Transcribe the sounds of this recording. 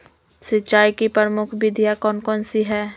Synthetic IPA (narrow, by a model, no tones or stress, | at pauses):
sɪtːt͡ʃʃaːikipɾəɾmʊkʰbɪd̪ʱjakɔːnkɔːnsiɦɛː